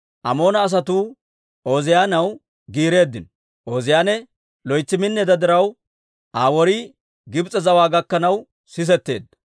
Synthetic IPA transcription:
ʔɐ̰mo̞ːnɐːs̬ɐt̪uː | oːzɪjaːnɐw | ɡiːɾe̞ːd̪ːɪn | ʔoːzɪjaːnɛ | lɔjt͡sːɪmɪnːɛd̪ɐd̪ɪɾɐw | ʔaːwɔɾi | ɡɪbt͡sʼːɛzɐwaːɡɐkːɐnɐw | sɪs̬ɛt̪ːeːd̪ːɐ

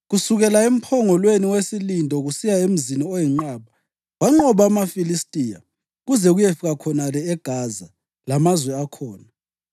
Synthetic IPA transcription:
ɣusuɣɛlaem̩pʰɔŋɔlweniwesilindʼɔɣusijaem̩ziniɔjɛŋ͡ǃaːβa | waŋ͡ǃɔβamafilistʼija̰ | ɣuzɛɣujefiɣakʰɔnalɛɛɡ̥ʱaza | lamazwɛakʰɔːna

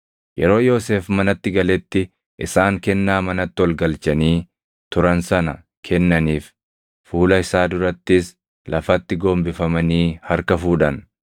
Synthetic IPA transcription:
jɛɾo̞ːjo̞ːseːfmɐnɐt̪ːɪɡɐlɛt̪ːɪ | ʔɪsaːŋkɛnːaːmɐnɐt̪ːɪɔlɡɐlt͡ʃɐniː | t̪ʊɾɐnsɐnɐ | kʰɛnːɐniːf | fuːlɐɪsaːd̪ʊɾɐt̪ːɪs | lɐfɐt̪ːɪɡo̞ːmbɪfɐmɐniːhɐɾkɐfuːᶑɐn

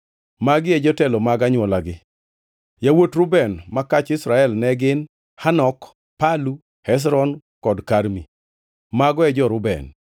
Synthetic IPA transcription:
maɡɪɛd͡ʒɔtɛlɔmaɡaɲwɔlaɡɪ | jawotɾʊbɛnmakat͡ʃɪsɾaɛlnɛɡɪn | hanɔk | palu | hɛs̬ɾɔn | kɔdkaɾmi | maɡɔɛd͡ʒɔɾʊbɛ̰n

